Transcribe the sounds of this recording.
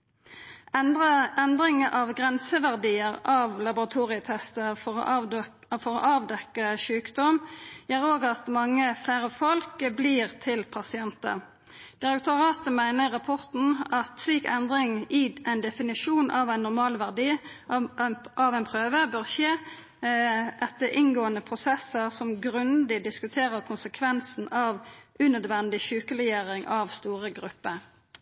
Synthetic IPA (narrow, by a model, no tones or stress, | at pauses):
ʔɛnd̪ʁɪŋəʔɑʋɡʁɛnsəʋæʁd̪iːəʁɑʋlɑbʊʁɑt̪ʰuːʁɪət̪ʰɛst̪əfɔʁ̰ | fɔʁo̰ːʔɑːʋd̪ɛkːəʃʉːkd̪ɔmjæːʁoːɡɑt̪mɑŋːəfleɪʁəfɔlkbliːʁt̪ʰɪlpʰɑsɪɛnt̪ə̰ʁ | d̪̥ɪʁɛk̚t̪ʊʁɑːt̪əmæɪnəʁɑpʰɔʁt̪n̩ɑt̪sliːkɛnd̪ʁɪŋɪʔæɪnd̪ɛfɪnɪʃuːnʔɑʋæɪnːʊʁmɑːlʋæʁd̪iː | ʔɑʋɛnpʰʁøːʋəbøːʁʃeː | ʔɛt̪ːəʔɪnɡoːənəpʰʁʊsɛsːəʁsɔmɡɾʉnd̪ɪd̪ɪskʉt̪ʰeːɾəkʰʊnsəkʰʋɛnsn̩ɑʋʔʉnœd̪ʋɛnd̪ɪçʉːkəɾɛjeːɾɪŋʔɑʋst̪uːʁəɡɾʉpːəɾ